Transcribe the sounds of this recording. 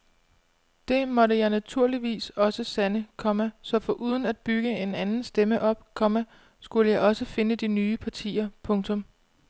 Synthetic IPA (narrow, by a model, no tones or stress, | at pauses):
d̥e̝mɒ̽ɾəjɑ̈ɪnæt͡sʰuɐ̰liʋḭːsɒ̽səsænəkʰɒ̽mæsɒ̽fɒ̽ʔuːð̞ˠn̩æd̥̚b̥yɡ̥əe̝nænn̩sd̥eməʔɒ̽b̥kʰɒ̽mæ | sɡ̥uləjɑ̈ɪɒ̽səfe̝nəd̥inyːpʰɑ̈t͡sʰḭːɐpʰɔ̽ŋt͡sʰɔ̽m